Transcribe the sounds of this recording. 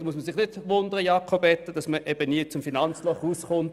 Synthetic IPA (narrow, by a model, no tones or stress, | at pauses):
musməsɪχnɪdʋʊnd̪əʁəjɑːkʰobɛt̪ːəd̥ɑsməʔɛb̥əniːt͡sʊmfinɑnt͡slɔχuːsχʊnt